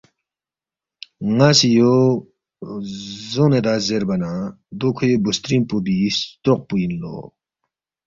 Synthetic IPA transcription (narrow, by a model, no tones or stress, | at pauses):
ŋasijo | zoŋned̪azerbana | d̪okʰojobust̪ɾinpobiɕt͡soχ̚pujənlo̰